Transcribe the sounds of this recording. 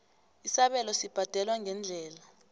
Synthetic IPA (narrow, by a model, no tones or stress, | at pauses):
isaɓɛlɔsib̥ʱad̥ʱɛlwaŋʱɛnd͡ɮʱɛːla